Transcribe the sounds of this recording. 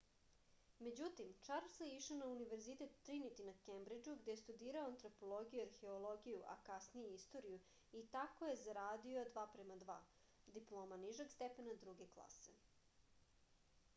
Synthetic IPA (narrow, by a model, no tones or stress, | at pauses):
me̞d͡ʑut̪imt͡ʂaɾseiʃonauniʋe̞ɾzit̪et̪ːɾinit̪inakembɾid͡ʒuɡd̪e̞jest̪ud̪iːɾaoant̪ɾo̞po̞lˠo̞ɡijuaɾxe̞olˠo̞ɡijuʔa̰kasnijeist̪o̞ɾiju | it̪ako̞je̞zaɾaːd̪io̞d̪ʋaːpɾemad̪ʋa̰ː | d̪iplˠo̞ːmaniʒeɡst̪epenad̪ɾuɡe̞klˠa̰se̞̰